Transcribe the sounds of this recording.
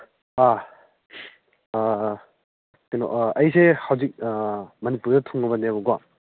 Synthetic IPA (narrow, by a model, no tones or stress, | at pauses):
a | tenɔɐjsehɐwzik̚mɐnipuɾdɐtʰuŋɐbɐneɐbuɡa